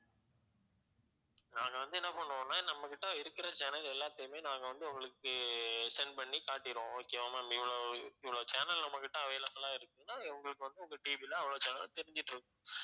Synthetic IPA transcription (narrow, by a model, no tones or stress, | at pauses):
nãːŋɡɐʋɐnd̪ɯɛnːɐpɐɳːõːnːaːnɐmːɐkɪʈːɐɪɾɯkːɪɾɐt͡ʃaːnɐlɛlːaːt̪ːɐjɯmeːnãːŋɡɐʋɐnd̪ɯʊŋɡɐɭɯkːɯsɛnpɐɳːikaːʈːɪɾõːɔkːɪjɐʋɐmaːmɪʋːɪɭoːɪʋːɪɭoːt͡ʃaːnɐlnɐmːɐkːɪʈːɐɐʋeːlɐŋːɐlãːɪɾɯkːɯ̃nːaːɪʋɐŋɡɐɭɯkːɯʋɐnd̪ɯɔŋɡɐʈiːbilɐːʋɐɭoːt͡ʃɐːnɐ̰lt̪ɛɾɪɲd͡ʒɪʈːɯɾɯkːʊ̃